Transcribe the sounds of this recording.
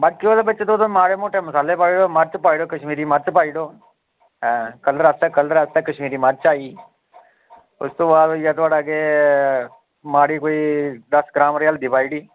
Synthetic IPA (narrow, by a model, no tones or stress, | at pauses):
bɐt̪̚keoːlabət͡ʃːt̪oːt̪omaːɽemoːʈemɐsaːlːepaːiɽoːmɐɾt͡ʃpaːiɽoːkəʃmiːɾimɐɾt͡ʃpaːiɖoː | ɛ̃kɐlɾast̪eːkəlɾast̪eːkəʃmiːɾimaɾ̚t͡ʃaːi | ʊ̰st̪õːʋaːojat̪ʰʋaːɽaːɡe | maːɽikoːiːd̪ɐsɡɾaːmɾɪjaːld̪ibaːiɽiː